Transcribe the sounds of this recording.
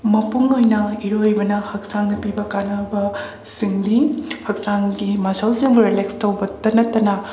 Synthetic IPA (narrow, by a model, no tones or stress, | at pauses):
mɐpuŋojnɐiɾojbɐnɐhɐk̚saŋnɐpibɐkanɐbɐ | siŋdihɐk̚saŋɡimasawsiŋbuɾelekstɐwbɐtɐnɐtːɐnɐ